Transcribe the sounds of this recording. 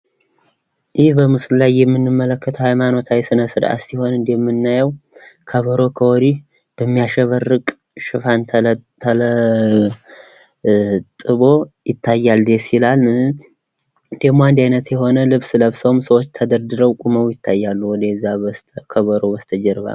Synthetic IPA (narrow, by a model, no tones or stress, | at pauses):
jɪhbəmɨslulajːɛmːɨnːɨmːələkːət̪ʰəhajmano̞t̪ʰawsɨnəsɨɾʔa̰siho̞nɨnd̪eɛmːɨnːajəwkʰəβəɾo̞kʰəoɾi | b̥əmːijaʃɛβərːɨkʼ | ʃɨfant̪ʰt̪ʰələ | t̪ʼɨβo̞jɪt̪ʰːajːald̪esilal | nd̪ehmoand̪ajnət̪jɛho̞nəlɨβsɨləβsəwmsəwot͡ʃːt̪ʰəd̪əɾd̪ɨɾəwkʼuməwjɪt̪ʰːajːalːuwɔd̪əzːast̪ʰkʰəβəɾo̞bəst̪ʰəd͡ʒɛɾβa̰l